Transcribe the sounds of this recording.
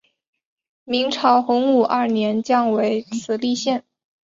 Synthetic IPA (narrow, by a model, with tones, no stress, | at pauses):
mi˧˥ŋʈ͡ʂʰɑ˧˥ʊxʊ˧˥ŋu˥˩ʔɐ˞˥˩njɛ˧˥nt͡ɕjɑ˥˩ŋwe˧˥ɪt͡sʰɹ̩˨˩li˥˧ɕjɛ˥˩n